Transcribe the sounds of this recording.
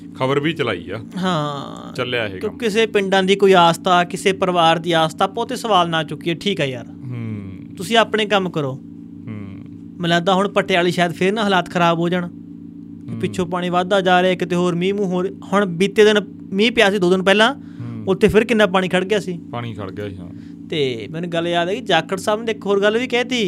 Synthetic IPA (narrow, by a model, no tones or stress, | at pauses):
kʰəbəɾbiːt͡ʃəla̰ːḭːa̰ːɦãː | t͡ʃəlja̰ːɦḛːkjõːkɪseːpɪɳɖãːd̪iːkoːiːaːst̪aːkɪseːpəɾʋaːɾd̪iːaːst̪aːpɔːt̪eːsəʋaːlnaːt͡ʃʊkːieːʈʰiːkɦɛːjaːɾ | t̪ʊsĩːaːpɳẽːkəmkəɾoː | mələːd̪aːɦʊɳpəʈʰːejaːliːʃaːjəd̪pʰɪɾnãːɦəlaːt̪kʰəɾaːboːd͡ʒəɳ | kepɪtːʃʰõːpaːɽ̃iːʋaːd̪aːd͡ʒaːɾeaːɪkt̪eːɦoːɾmĩːmũːɦoːɾhʊɳbiːt̪eːd̪ɪn | mĩːpɪjaːsiːd̪oːd̪ɪnpɛːlãː | ʊt̪ʰːeːpʰɪɾkɪnːãːp̬aːɽiːkʰəɽɡɪjaːsiːpaɽ̃iːkʰə̰ɽɡ̰ | t̪eːmɛ̃ːnũːɡəljaːd̪ɛːkid͡ʒaːkːəɾsaːbneɪkɦoːɾɡəlʋiːkɛːt̪iː